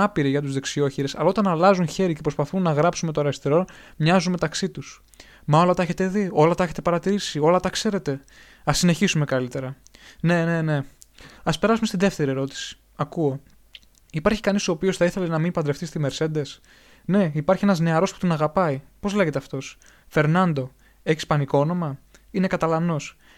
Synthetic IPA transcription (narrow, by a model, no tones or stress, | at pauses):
ɐpiɾiʝɐt̪̬uzðe̞ksio̞çiɾesɐlɐo̞t̪ɐnɐlɐzunçe̞ɾicepɾopɐθunːɐɣɾɐpsume̞t̪̬oɾɐst̪eɾo̞nmɲɐzunme̞t̪ɐksit̪us | mɐo̞lɐt̪ɐeçet̪e̞ðio̞lɐt̪ɐeçet̪e̞pɐɾɐt̪iɾisio̞lɐt̪ɐkse̞ɾe̞t̪e̞ | ɐsine̞çisume̞kɐlit̪e̞ɾɐne̞ne̞ne̞ɐspe̞ɾɐsumest̪inðe̞ft̪e̞ɾie̞ɾo̞t̪i̥si̥ | ɐkuo̞ | ipɐɾçi̥kɐnisoopiosθɐiθe̞lenɐminipɐnd̪ɾe̞fθist̪ime̞ɾse̞nd̪e̞s | ne̞ipɐɾçienɐzne̞ɐɾo̞spu̥t̪onɐɣɐpɐipo̞zle̞ɣet̪e̞ɐft̪o̞s | fe̞ɾnɐnd̪o̞ | e̞çispɐnikoono̞mɐ | inekɐt̪ɐlɐno̞s